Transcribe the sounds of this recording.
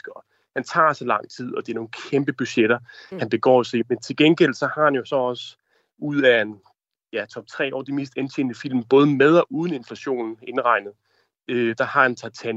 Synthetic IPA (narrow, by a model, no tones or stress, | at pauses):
ɡ̥ɒ | hænt͡sʰɑ̰̈ːsɒlɑ̈ŋ̰t͡sʰið̰ˠɒ̽d̥eæɐno̝ːn̩kʰemb̥əb̥yɕeɾ̥ɐhænb̥e̝ɡ̥ɒ̰ːosement͡sʰe̝lɡ̥enɡ̥el̰sɒ̽hɑ̈hænjo̝sɒ̽ɒ̽sə | uð̰ˠæen | jæt͡sʰɒ̽b̥̚t͡sʰʁɛ̰ːɒ̰ːd̥imḭːsd̥ent͡ɕʰe̝̰nd̥əfil̰mb̥ɔ̽ːð̞ˠəmeð̞ˠɒ̽ʔuːð̞ˠn̩e̝nflæɕo̝̰ːnn̩e̝nʁɑ̈ɪnəð̞̩ˠ | ød̥ɑ̈hɑ̈ent͡sʰɑ̈t͡sʰæn